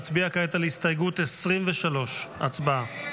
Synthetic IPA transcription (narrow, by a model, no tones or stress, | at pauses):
t͡sbiakaet̪alehist̪ajɡut̪esʁimveʃalo̞ʃat͡sbaa